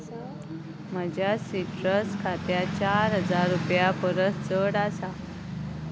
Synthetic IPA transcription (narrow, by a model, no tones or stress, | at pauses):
m̤əd͡ʑʱjasiʈɾəskʰat̪jat͡ɕaɾɦəd͡zaɾːupjapəɾət̪t͡səɽasa